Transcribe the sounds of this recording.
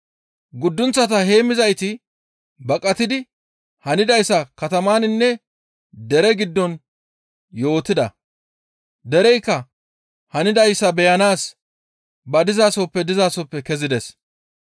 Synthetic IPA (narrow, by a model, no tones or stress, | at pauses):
ɡʊd̪ːʊnt͡sːɐt̪ɐɦe̞ːmɪzɐjt̪ɪ | bɐkʼɐt̪ɪd̪ɪ | hɐnɪd̪ɐjsːɐkɐt̪ɐmaːnɪnːɛ | d̪ɛɾɛɡɪd̪ːɔn | jo̞ːt̪ːɪd̪ɐ̰ | d̪ɛɾɛjkːɐ | hɐnɪd̪ɐjsːɐbɛjɐnaːs | bɐd̪ɪzaːsɔpːɛd̪ɪzaːsɔpːɛkɛzɪd̪ɛs